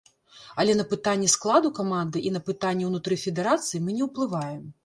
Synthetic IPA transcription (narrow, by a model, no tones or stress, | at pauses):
ɐlʲɛnɐpɨt̪anʲːɛsklˠad̪ukamand̪ɨʔinɐpɨt̪anʲːɛwnut̪ɾɨfʲɛd̪ɛɾat̪sɨjimɨnʲɛwplˠɨvajɛm